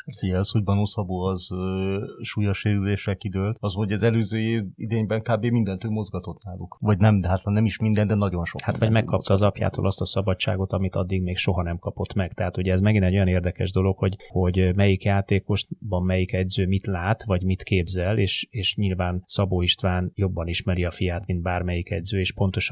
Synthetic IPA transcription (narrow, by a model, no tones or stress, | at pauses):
at̪iɛsho̞ɟ̚bɒnoːsɒboːɒz | ʃuːjoʃeːɾyleːʃɛlkid̪øːlɒzmonoɟɛzɛløːzøːeḭd̪eːɲbɛŋkaːbeːmind̪ɛnt̪øːmo̞zɡɒt̪o̞t̪naːlukvɒɟnɛmd̪ɛɦat̪hɒnɛmiʃmind̪ɛnd̪ɛnɒɟo̞nʃo̰hat̪ʋɒɟmɛkkːɒp̚t̪ɒːzɒpja̰ːt̪o̰ːlɒst̪ɒsɒbɒt͡ʃːa̰ːɡo̞t̪ɒmit̪ɒd̪ːiɡmeːɡʃo̞ɦɒnɛmkɒpo̞t̪mɛɡ̥t̪ɛɦat̪uɟɛːzmɛɡinɛɟo̞jɒneːrd̪ɛkɛʒd̪o̞lo̞kho̞ɟho̞ɟmɛjikjaːt̪eːko̞ʃbɒmːɛjikɛɟzøːmit̪laːt̪ʋɒɟmit̪keːbzɛleːʃeːʃɲilvaːnsɒboːiʃt̪ʋaːnjo̞bːɒniʃmɛɾiɒfijaːt̪mind̪baːrmɛjikɛ̰ɟzøːeːʃpo̞nt̪o̞ʃ